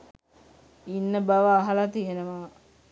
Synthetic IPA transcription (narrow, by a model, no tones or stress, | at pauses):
inːəbaʋaːɦalat̪ijenəʋaː